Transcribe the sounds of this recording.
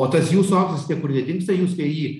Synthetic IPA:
oːt̪ɐsjuːsʊɑːksʲɐstʲiɛkʊrnʲɛdʲɪŋkst̪ɐjuːst̪ɐɪjiː

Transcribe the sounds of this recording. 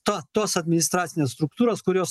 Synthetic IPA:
t̪ot̪oɔsɐd̪ʲmʲɪnɪst̪ɾɑːt̪sʲɪnʲeːsst̪ɾʊk̚t̪uːɾoːskʊɾʲoːs

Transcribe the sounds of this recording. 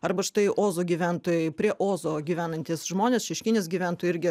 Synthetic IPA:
ɐɾbɐʃt̪ɐɪʔoːzoːɡʲiːʋʲænt̪oːjɛɪpʲɾʲiɛʔoːzoːɡʲiːʋʲæːnɐnʲt̪ʲiːsʒmoːnʲeːsʃʲɛʃʲkʲɪnʲeːsɡʲiːʋʲæːnt̪oːjʊɪɾʲɡʲɪ

